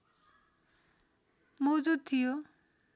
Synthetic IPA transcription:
mod͡zud̪̚t̪ʰijo

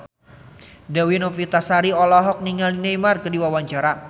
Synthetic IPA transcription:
dawinɔfit̪asaɾiɔlɔɦɔk̚niŋalinemarkədiwawaɲt͡ʃaɾa

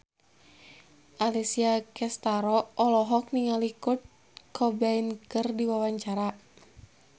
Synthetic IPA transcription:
ʔalisiakɛst̪aɾɔʔɔlɔɦɔk̚niŋalikut̪̚ | kʰɔbainkɨrdiwawaɲt͡ʃaɾa

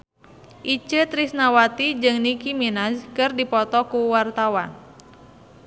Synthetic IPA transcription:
ʔit͡ʃət̪ɾisnawat̪id͡ʒɨŋnikiminazkɨrdipɔt̪ɔkuwart̪awa̰n

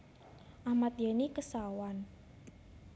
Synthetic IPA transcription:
ʔahmat̪̚jenikəsawan

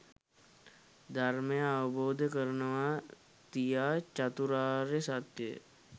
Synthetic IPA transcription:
d̪ʱaɾmẽaʋboːd̪ʱkəɾnəʋa | t̪ijat͡ʃat̪uɾaːɾesat̪jḛ

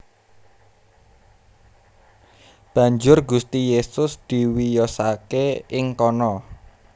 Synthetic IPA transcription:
b̥ä̤ɲd͡ʒʊrɡust̪ijesʊsd̪̥i̤wijɔsakeɪŋkɔnɔ

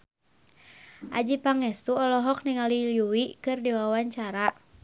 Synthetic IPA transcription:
ʔad͡ʒipaŋɛst̪uɔlɔɦɔk̚niŋaliljuwikɨrdiwawaɲt͡ʃaɾa

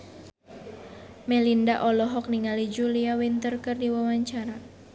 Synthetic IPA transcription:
mɛlindaʔɔlɔɦɔk̚niŋalid͡ʒuliawint̪ərkɨrdiwawaɲt͡ʃaɾa

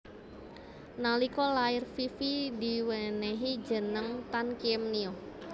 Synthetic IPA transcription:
nalikɔlaɪrfifidiwɛneɦid͡ʒə̤nəŋt̪ankiɛmniɔ

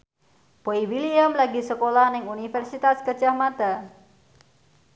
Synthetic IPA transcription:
poiwiliamlaɡisəkolahnɪŋunifɛrsit̪askət͡ʃahmat̪a

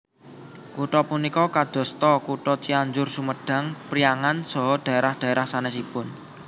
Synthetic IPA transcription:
kuʈɔpunikɔkad̪̥ɔ̤st̪ɔkuʈɔt͡ʃiaɲd͡ʒʊrsuməɖ̥ä̤ŋpɾiaŋansɔɦɔd̪̥a̤eɾahd̪̥a̤eɾahsanɛsipʊn

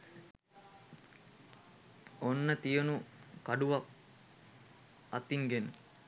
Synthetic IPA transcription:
onːət̪ijənukaɖuʋɐk̚ | ɐt̪iŋɡenu

